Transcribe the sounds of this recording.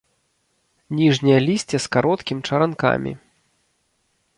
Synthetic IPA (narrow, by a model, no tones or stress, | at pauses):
nʲiʐnʲijɐlʲisʲt͡sʲɛskaɾɔt̪kʲimʲt͡ʂɐɾanka̰mʲḭ